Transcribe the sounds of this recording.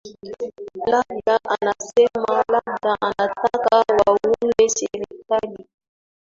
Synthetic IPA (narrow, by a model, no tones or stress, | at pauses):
labdaʔanasɛmalab̚daʔanatakawawwumeseɾikali